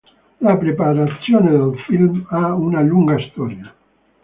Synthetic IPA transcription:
lapɾepaɾasjoneðelfilmaunaʎuŋɡaist̪ɔɾja

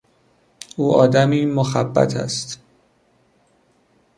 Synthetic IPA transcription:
ʔuːʔɒːd̪æmiːmoxæbːæ̰t̪ʰæ̰st̪

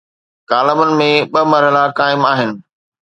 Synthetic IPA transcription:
kaːləmənɪ̆mẽɓɐmɐɾɦəlakaːɪmaːɦɪnɪ̆

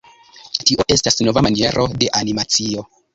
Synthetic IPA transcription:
tiʔo̞ʔe̞stasno̞vamanie̞ɾʔo̞de̞ʔanimat͡sio̞

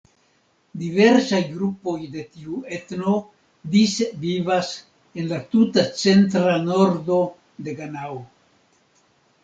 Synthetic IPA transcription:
dive̞ɾsajɡɾupo̞jde̞tiue̞tno̞ | disvivas | e̞nlatutat͡se̞ntɾano̞ɾdo̞ | de̞ɡanao

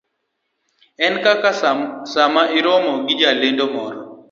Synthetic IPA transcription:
ɛnkakasamaiɾɔmɔɡɪd͡ʒalendomɔɾɔ

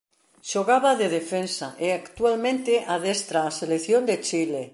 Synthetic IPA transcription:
ʃoɣaβaðeðefensaʔeakt̪ualmẽnt̪eʔaðest̪ɾaːseleθjond̪et͡ʃile

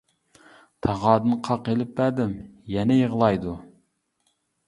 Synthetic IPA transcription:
t̪ʰɑʁɑːd̪ɨnqʰɑqelɪp̚bæd̪ɪmjɛnɛjəʁlˠɑjd̪u

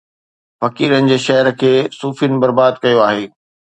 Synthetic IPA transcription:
fɐkiːɾənɪ̆d͡ʑeːʃɐɦəɾəkʰeːsuːfinɪ̆bɐɾbaːd̪̚kɐjoaːɦeː

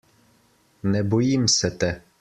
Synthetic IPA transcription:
nɛbɔjimsɛt̪ɛ

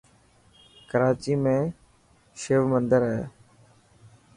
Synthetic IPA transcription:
kəɾaːt͡ʃiːmẽː | ʃeːʋmənd̪əɾɦɛ̰ː

